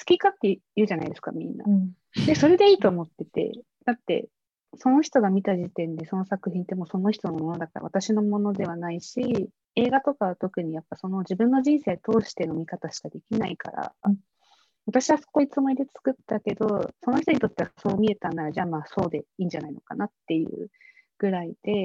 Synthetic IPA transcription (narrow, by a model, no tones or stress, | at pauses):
sɨ̥kʲikat̪ːejɯ̟ːʑana̰id̪e̞sɨ̥ka̰mʲḭ̃nːa̰ | d̪e̞so̞ɾe̞d̪e̞iːt̪oːmo̞t̪ːe̞t̪e̞̰ | d̪̥at̪ːe̞̰ | so̞no̞çi̥t̪o̞ɡamʲit̪aʑit̪ẽ̞nd̪e̞so̞no̞sakɯ̟çĩnt̪ːe̞mo̞so̞no̞çi̥t̪o̞nommo̞nod̪akaɾa̰βat̪aɕino̞mo̞no̞d̪e̞β̞anaiɕi | e̞ːɡat̪o̞kaβ̞at̪o̞kɯ̟ɲ̟ijapːaso̞no̞ʑibɯ̟̃nːo̞ʑĩɰ̃se̞ːt̪o̞ːɕi̥t̪e̞no̞mʲikat̪aɕi̥kad̪e̞kʲinaika̰ɾa̰ | βat̪aɕiβaso̥koit͡sɨmoid̪e̞t͡sɨ̥kɯ̟t̪ːake̞d̪o̞so̞noçi̥t̪o̞ɲit̪o̞t̪ːe̞aso̞ːmʲie̞t̪ãnd̪aɾad͡ʑaːmaːso̞ːd̪e̞iːɲ̟d͡ʑanaino̞ka̰nat̪ːe̞jɯ̟̰ː | ɡ̥ɯ̟ɾaid̪̥e̞